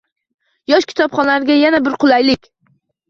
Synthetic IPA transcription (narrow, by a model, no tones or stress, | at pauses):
jɒʃkʲʰɪ̥t̪ʰɒpχɒnlaɾɪɡʲajanabɪɾqʰʊlˠajlɪkʲ